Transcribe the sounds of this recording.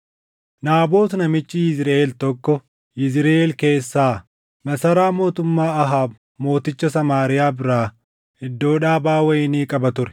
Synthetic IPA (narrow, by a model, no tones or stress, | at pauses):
naːbo̞ːtsnɐmɪt͡ʃːɪɪzɾeʔeːlt̪ɔkːɔ | ɪzɪɾeelke̞ːsːaː | mɐsɐɾaːmo̞ːt̪ʊmːaːɐɦaːb | mo̞ːt̪ɪt͡ʃːɐsɐmaːɾɪjaːbɪɾaː | hɪd̪ːo̞ːᶑaːbaːwɐɪniːkʼɐbɐt̪ʊɾɛ̥